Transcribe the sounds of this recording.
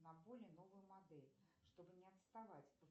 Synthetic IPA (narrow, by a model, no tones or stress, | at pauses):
nɐbolʲɪnovɨjʊmad̪ɛlʲʂt̪obɨnʲɪɐt̪st̪avat͡sʲ